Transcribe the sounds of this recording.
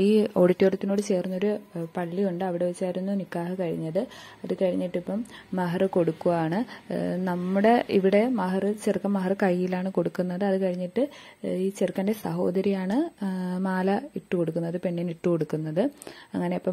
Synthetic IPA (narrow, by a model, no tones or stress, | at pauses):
iːo̞ɽitːioɽut̪ːino̞ːɽɨt͡ɕe̞ːrunːo̞ɾupɐɭːijuɳɖɨɐʋiɽe̞ʋit͡ɕːaːjiɾunːunikːaːhɨkɐɻḭɲːɐðɨ | ɐðɨkɐɻiɲːiʈːipːɐmːɐɦɐrɨko̞ɽukːuʋaːɳɨnɐmːuɽe̞ḭʋiɽe̞mɐɦɐrɨt͡ɕerkːɐmːɐɦɐrɨkɐjːilaːɳɨko̞ɽukːunːɐðɨɐðɨkɐɻiɲːiʈːɨ | iːt͡ɕirkːɐnde̞sɐɦo̞ːd̪ɐɾijaːɳɨmaːlɐiʈːɨko̞ɽukːunːɐðɨpeɳːiniʈːɨko̞ɽukːunːɐðɨɐŋːɐne̞ɐpːɐm